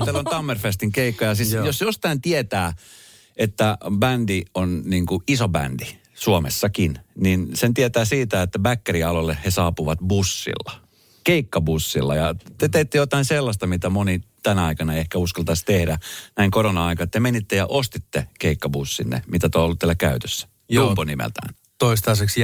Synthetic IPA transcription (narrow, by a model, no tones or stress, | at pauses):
t̪ælːonɑmːerfest̪iŋkeikːɑjɑsisjosjost̪ɑint̪iet̪æː | et̪ːæbændionniːŋkuisobæ̰nd̥i | suomḛsːɑkinninsent̪iet̪æːsiːt̪æet̪ːæbækːeriɑlolːehhesɑːpuʋɑt̪busːḭlːɑ̥ | keikːɑbusːḭlːɑjɑt̪et̪eit̪ːejot̪ɑinselːɑst̪ɑmit̪æmonit̪ænɑikɑnɑehkæuskɑlt̪ɑst̪ehdænæiŋkoɾonɑɑikɑt̪ːemenit̪ːejɑʔost̪it̪ːekeikːɑbusːinːḛmit̪æt̪oolːut̪ːiælːækæyt̪ø̥sːæ̥ | opːonimḛlt̪æ̰ːn | t̪oist̪ɑːseks